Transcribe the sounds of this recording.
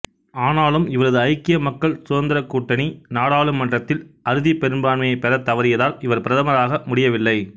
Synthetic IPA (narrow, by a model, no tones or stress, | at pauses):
aːnaːlɯmɪʋɐɾɐðɯɐɪkːɪjɐmɐkːɐɭsʊðɐnd̪ɪɾɐkːuːʈːɐninaːɽaːɭɯmːɐndrɐt̪ːɪlɐɾɯðipɛɾɯnbaːɳmɐjɐɪpːɛɾɐt̪ːɐʋɐɾɪjɐðaːlɪʋɐɾpɪɾɐðɐmɐɾaːɣɐmʊɽɪjɐʋɪlːɐɪ